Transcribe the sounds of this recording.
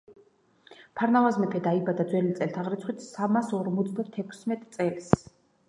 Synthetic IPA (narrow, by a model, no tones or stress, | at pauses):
pʰaɾnavazmɛpʰɛd̪aibad̪ad̪zwɛlit̪sʼɛlt̪ʰaʁɾit̪sʰχwit̪ʰsamasɔɾmɔt̪sʰd̪at̪ʰɛkʰsmɛt̪ʼt̪sʼɛls